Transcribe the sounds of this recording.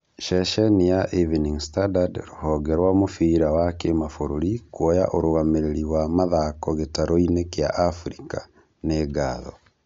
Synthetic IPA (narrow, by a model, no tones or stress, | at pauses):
ʃɛʃɛnijaʔiviniŋstadadɾohɔɡɛɾwamofiɾawakemafoɾoɾikwɔja̰ʔoɾoɣameɾeɾiwamaðakɔɣetaɾoinekja̰ʔafɾika | neɡaːðɔ̰